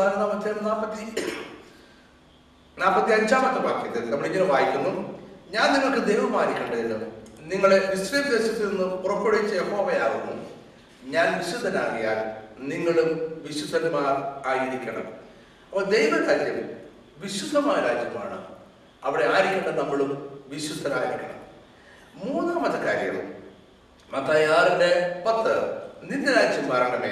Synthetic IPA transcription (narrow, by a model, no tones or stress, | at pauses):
ajnːamɐd̪ʱjaːnaːpːɐt̪ːi | naːpːɐt̪ːiɐɲd͡ʑaːmɐt̪ːɐpaːkːinːɐðinɐmuɽeiɲːilɨmʋaːjikʲːunːumɲaːnniŋːɐɭkɨd̪ejʋɐmaːɾikʲːɐɳɖɐðiɨniŋːɐɭeʋisriːmd̪e̞ːɕɐt̪ːilninːɨpurɐpːoɽejit͡ɕːɐje̞ho̞ːʋɐjaːrinːṵm | ɲaːnʋiɕud̪ʱɐnaːrɐjaːnniŋːɐɭumʋiɕud̪ʱːɐnmaːraːjiɾikʲːɐɳɐ̰m | ɐpːod̪ejʋɐt̪ːɐljɐm | ʋiɕud̪ʱːɐmaːɾaːd͡ʑjɐma̰ːɳɨ | ɐʋiɽe̞aːjiɾikʲːɐɳɖɐnɐmːɐɭumʋiɕud̪ʱːɐnaːjiɾikʲːɐɳɐ̰m | muːnaːmɐt̪ːɐkːaːɾjɐŋːɐɭṵm | mɐt̪ːaːjaːrinde̞pɐt̪ːɨninːɐɾaːd͡ʑjɐmːɐɾɐŋɡɐmeː